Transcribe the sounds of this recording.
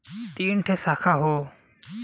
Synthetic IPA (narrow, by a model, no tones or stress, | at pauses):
t̪inʈʰesakʰaɦo